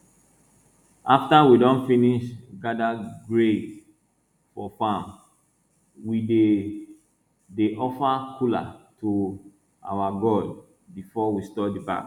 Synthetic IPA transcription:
aftawidɔ̃nfiniʃɡadaɡɹed | fɔfãm | wide | deʔɔfakʰula̰tu | a̰waɡɔd | bifɔwistɔdiba̰k

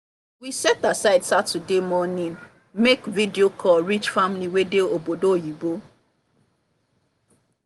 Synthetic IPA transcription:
wisɛtasaɪdsatudemɔnĩn | mekvidiokʰɔɹit͡ʃfamliwedeobodojibo

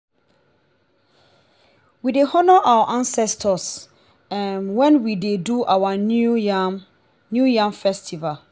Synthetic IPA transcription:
widehɔnɔʔawaʔãnsɛstʰɔs | ɛ̃nwɛ̃nwideduʔawa | njujãmfɛstʰival

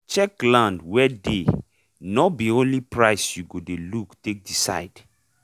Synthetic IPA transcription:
t͡ʃɛklãndwɛde | nɔbiõnlipɹaɪsjuɡodeluktek̚disa̰ɪd̥

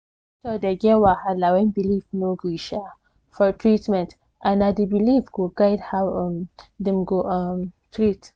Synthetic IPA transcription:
tɔdɛɡɛwahalawɛ̃nbilifnoɡɹiʃa | fɔtʰɹitmɛ̃nt | ʔãnadibilifɡ̥oɡaɪdhawmdɛ̃mɡoʔmtʰɹit

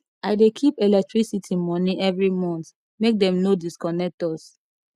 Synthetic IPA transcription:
aɪdekʰipelɛk̚tɹisitʰimɔniʔɛvɹimɔ̃nt | mek̚dɛ̃mnodiskɔnɛk̚tɔs

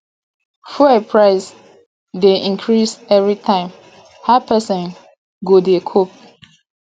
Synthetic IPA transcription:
fuɛpʰɹaɪs | deʔĩŋkʰɹisɛvɹitʰãɪ̃m | hapɛsɔ̃n | ɡodekʰop̚

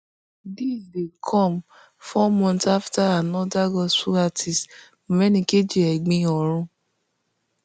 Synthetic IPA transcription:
disdekʰɔ̃m | fɔmɔ̃ntaftaanɔ̃daɡɔsuatʰis | mõɾɛnĩked͡ʒiɛɡ͡bĩɔɾ̃ũ

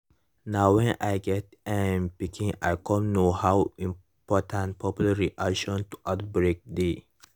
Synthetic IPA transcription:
nawwɛ̃najɡɛtɛ̃mpikʰĩŋa̰jkʰɔ̃nnohawĩm | pɔtʰãntpʰɔpjulaɹiʔakʃɔ̃ntu̥ʔat̚bɹek̚d̪e

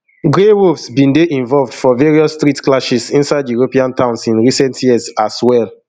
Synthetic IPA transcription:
ɡɹeɹovsbĩndeʔĩɱvɔlvdfɔveɹiɔstɹitklaʃisĩnsaɪdjuɹopiãntʰãʊ̃nsĩnɹisɛ̃ntʰjiəsaswɛl

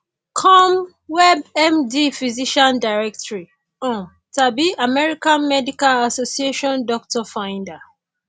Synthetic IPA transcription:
kʰɔ̃m | wɛbɛmdifiziʃãndaɹɛk̚tɔɹi | ɔ̃n | tabiamɛɹikãnmɛdikalasosieʃɔ̃ndɔk̚tʰɔfãɪ̃nda

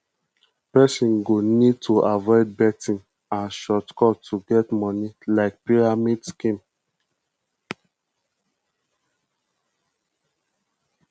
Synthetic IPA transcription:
pɛsɔ̃nɡonid̚tʰuʔavɔɪd̚bɛtĩn | ãnʃɔtkʰɔtʰuɡɛtmɔnilaɪk̚piɹamidskĩm

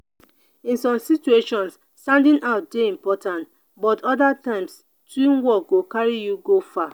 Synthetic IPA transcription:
ĩnsɔ̃msit͡ʃueʃɔ̃ns | tãndĩnʔaʊt̚deĩmpɔtʰãnt | bɔtʰɔdatãɪ̃ms | twĩnwɔk̚ɡokaɹijuɡofa

